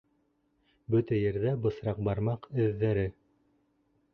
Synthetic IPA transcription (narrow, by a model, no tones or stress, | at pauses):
bɵt̪æjɘ̆ɾðæbɤ̆θɾɑq̚bɑɾmɑqɘ̆ðːæɾɘ